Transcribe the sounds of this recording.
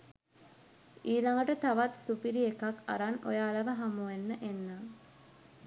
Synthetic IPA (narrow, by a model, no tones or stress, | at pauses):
iːlaŋɡəʈət̪aʋat̪supiɾiekaka̰ɾano̰jaːləʋəɦamuenːəʔenːaŋ